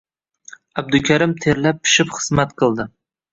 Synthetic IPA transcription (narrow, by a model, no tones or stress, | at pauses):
ab̚d̪ʊkʲʰaɾɪmt̪ʰe̞ɾlap̚ʰːɪ̥ʃɪpχɨ̥zmat̪qʰɨlˠd̪ɪ